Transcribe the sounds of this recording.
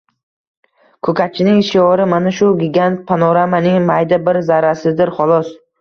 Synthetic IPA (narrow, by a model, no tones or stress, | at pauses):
kʰɵkʲʰat͡ʃʰɪnɪŋʃɪjɒɾɪmanaʃʊɡʲiɡʲant̪̚pʰanɒɾamanɪŋmajd̪abɪɾzaɾasɪd̪ɪɾχɒlˠɒs